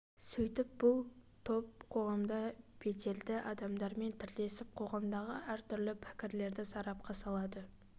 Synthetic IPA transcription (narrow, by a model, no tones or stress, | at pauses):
sɵjt̪ɪp̚b̥ʊlˠt̪ʰop̚qʰo̞ʁɑmd̪ɑbe̞t̪e̞ld̪ɪʔɑd̪ɑmd̪ɑɾme̞nt̪ʰɪɾd̪e̞sɪp̚qʰo̞ʁɑmd̪ɑʁəæɾt̪ʰʏɾlɪpʰɪ̥kʲɪɾle̞ɾd̪ɪsɑɾɑp̚qʰɑsɑlˠɑd̪ə